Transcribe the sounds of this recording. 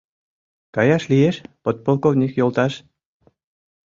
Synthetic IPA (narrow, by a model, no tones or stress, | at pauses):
kɑjɑʃlieʃpot̪̚polˠkovnʲikjolˠt̪ɑʃ